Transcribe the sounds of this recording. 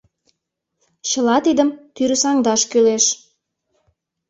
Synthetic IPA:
ɕəlɑt̪id̪əmt̪yɾəsɑŋd̪ɑʃkyleʃ

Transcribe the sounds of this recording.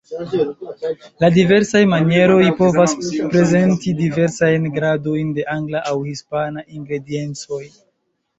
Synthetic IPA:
ladive̞ɾsajmanje̞ɾo̞jpo̞vaspɾe̞ze̞ntidive̞ɾsajnɡɾado̞jnde̞ʔaŋɡlaʔawhispanaʔiŋɡɾe̞die̞nt͡so̞j

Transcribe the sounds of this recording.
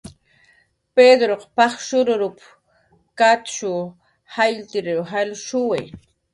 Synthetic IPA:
ped̪ɾoqpɑχʃʊɾʊɾʊp | kat̪ʃʊ | hajlt̪ɪɾeɾwɦalʃʊwaj

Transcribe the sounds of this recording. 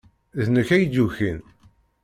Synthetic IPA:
ðnəçæjduçin

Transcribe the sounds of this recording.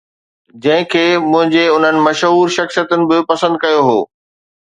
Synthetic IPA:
d͡ʑɐ̃ɦɪ̃kʰeːmʊ̃ɦɪ̃ɲd͡ʑeʊn̤ənɪ̆mɐʃɦuːɾʃɐxsijət̪ʊnɪ̆bɪpɐsə̃nd̪̚kɐjoɦo̰ː

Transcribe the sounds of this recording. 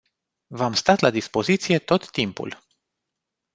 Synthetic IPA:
vamst̪at̪lad̪ispo̞zit̪sije̞t̪o̞t̪ːimpṵl

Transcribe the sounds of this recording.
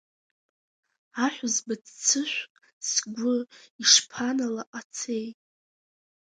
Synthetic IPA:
aħʷᶣʊzbad͡zt͡sʰɨʃʷqʼ | sɡʷʊiʂpʰanalaʔat͡sʰe̞jtʼ

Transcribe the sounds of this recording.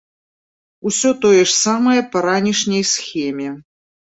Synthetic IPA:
usʲɔt̪ojɛʂsamɐjɐpɐɾanʲiʂnʲɐjsxʲɛmʲɛ

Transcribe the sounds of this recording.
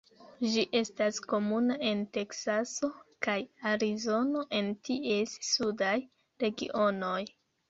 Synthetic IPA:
d͡ʒiʔe̞stasko̞munae̞nte̞ksaso̞kajaɾizo̞no̞ʔe̞ntie̞sːudaj | ɾe̞ɡḭʔo̞no̞j

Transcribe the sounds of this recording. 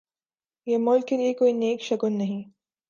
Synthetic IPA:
jeːmʊlkːeliekoːineːkʃɐkʊnːɐɦĩ

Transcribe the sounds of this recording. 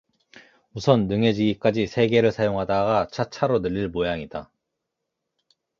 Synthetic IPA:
usʰʌnːɯŋe̞d͡ʑiɡik͈ad͡ʑisʰe̞ɡe̞ɾɯɭsʰajoŋɦadaɡat͡ɕʰat͡ɕʰaɾonɯʎːiɭmojaŋida

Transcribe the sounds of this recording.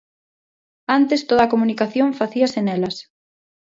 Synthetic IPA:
ant̪est̪oðaːkomunikaθjoɱfaθiɐsenɛlɐs

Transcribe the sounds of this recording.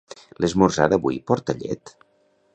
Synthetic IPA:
lezmorzaðəβuipɔɾt̪əʎɛ̰t̪

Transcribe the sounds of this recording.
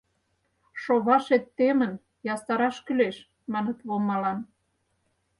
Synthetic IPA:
ʃoβɑʃet̪ːemən | jɑst̪ɑɾɑʃkyleʃ | mɑnə̆t̪βomɑlɑn

